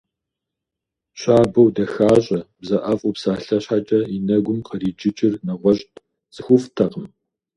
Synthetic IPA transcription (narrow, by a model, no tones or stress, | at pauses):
ɕʷaːbɐwdɐxaːɕʼɐbzɐʔɐfʼʊpsaːɬɐɕħat͡ʃʼɐinɐɡʷʊmqʰəriːd͡ʒɪt͡ʃʼɪrnɐʁʷɔɕʼt | t͡sʼɨxʷʊftʰɐqəm